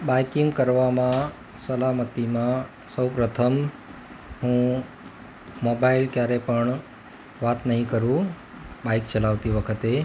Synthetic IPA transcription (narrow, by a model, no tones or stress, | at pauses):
bajkiŋɡkəɾʋamã | səlamət̪imã | səwpɾət̪ʰəm | ɦũ | mobailkjaɾepəɳ | ʋat̪nəɦĩkəɾũ | baikt͡ʃəlaʋt̪iʋəkʰət̪e